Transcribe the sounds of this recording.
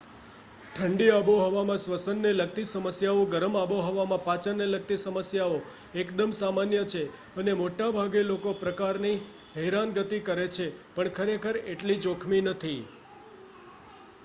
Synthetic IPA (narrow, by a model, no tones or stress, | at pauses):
ʈʰəɳɖiaboɦɔʋamãsʋəsənːeləɡt̪isəməsjaoɡəɾəmaʋoɦɔʋamãpat͡ʃəɾnːeləɡ̚t̪isəməsjao | ekd̪əmsamanjət͡ʃʰe | ənemoʈabʱaɡelokopɾəkaɾni | ɦɛɾanɡət̪ikəɾet͡ʃʰepəɳkʰəɾekʰəɾeʈlid͡ʒokʰminət̪ʰi